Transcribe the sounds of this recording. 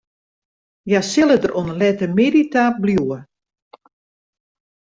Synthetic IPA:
jasɪlˠədərʔonəlɛtəmeditabljuə

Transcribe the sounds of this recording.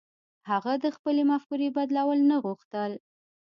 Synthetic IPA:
haɣad̪əxpəlemafkuɾebad̪lawəlnaɣuxt̪əl

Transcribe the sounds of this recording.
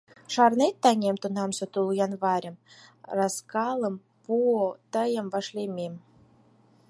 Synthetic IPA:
ʃɑrnet̪ːɑnʲemt̪unɑmsot̪ulujɑnβɑɾʲə̆mrɑskɑlə̆m | puot̪əjə̆mvɑʃlʲemʲem

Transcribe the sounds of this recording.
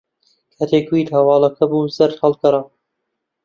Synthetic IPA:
kʰat̪ʰeːkwiːd̪hɐwɑːlˠɐkʰɐbuːzɐɾt̪hɐlˠkɐɾɑ

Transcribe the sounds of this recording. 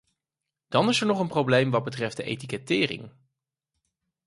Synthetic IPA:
d̥ɑnɪsɛɹnɔχənprowblejmʋɑd̚bətrɛft̚dəʔḛjtikɛtɪːrɪ̰ŋ

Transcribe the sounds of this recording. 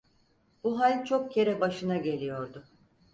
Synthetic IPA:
buɦalʲt͡ʃʰo̞k̚cʰe̞ɾɛbaʃɯnaɟe̞lʲijo̞ɾd̪ʊ

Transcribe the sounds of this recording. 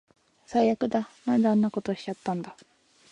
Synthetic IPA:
saijakɯ̟d̪amãnd̪aãnːako̞t̪o̞ɕi̥t͡ɕat̪ːãnd̪a

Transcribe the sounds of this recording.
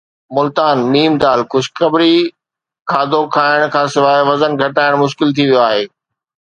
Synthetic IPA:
mʊlt̪aːnmiːmd̪aːlkʊd͡ʑkɐbɾi | kʰaːd̪ʱokʰaːɪɽ̃kʰãːsɪʋaːeʋɐzənɡʱɐʈaːɪɽ̃mʊʃkɪlt̪ʰiʋijoaːɦeː

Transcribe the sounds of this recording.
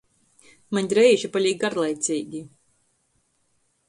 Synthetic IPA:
maɲʲɾɛjʒipaʎʲiːɡ̚ɡaɾlˠɛjt̪sʲiːɡʲi

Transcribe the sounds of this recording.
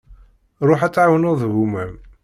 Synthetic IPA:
ɾˤoħæt͡sːʕawənoðˤɦumæm

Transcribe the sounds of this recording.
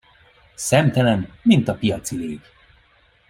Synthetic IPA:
sɛmt̪ɛlɛnmint̪ɒpijɒt̪sileːɡ

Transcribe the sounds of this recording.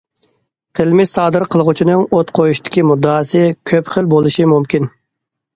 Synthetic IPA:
t̪ʰɪlmɪzɑːd̪ɨɾqʰəlˠəʁʊt͡ʃʰinɨŋot̪qʰojuʃt̪ʰɪ̥kʲimud̪ːɑːsɨkʲʰøpχəlbolˠuʃimumkʲin

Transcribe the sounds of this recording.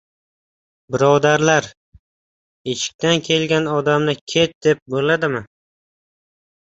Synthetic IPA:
bɪɾɒd̪aɾlaɾ | et͡ʃʰɪ̥k̚ʲt̪ankʲʰe̞lɡʲanɒd̪amnɪkʲʰe̞t̪̚d̪e̞p̚bolad̪ɪmɪ

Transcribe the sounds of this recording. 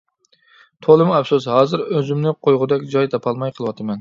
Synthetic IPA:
t̪ʰolˠɨmɛpsushɑːzɨɾøzymnɪqʰojʁʊd̪ɛkʲd͡ʒɑjt̪ʰɑpʰɑlˠmɑjqʰəlˠɨwɑt̪ʰɨmɛn

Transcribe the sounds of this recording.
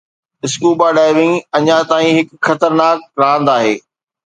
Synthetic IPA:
ɪskuːbaːɖaːɪʋɪ̃ŋɐɲãt̪aːĩɦɪkxɐt̪əɾnaːk̚ɾaːə̃nd̪aːɦeː

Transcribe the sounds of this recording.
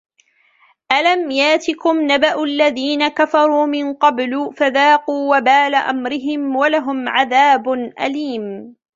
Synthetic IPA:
ʔalamjaʔt̪ɪkʊmnabaʔʊʔalːaðiːnakafɑɾˤuːmɪnqɑbluːfaðaːquːwabaːlaʔamɾɪɦɪmwalaɦʊmʕaðaːbʊnʔa̰liːm

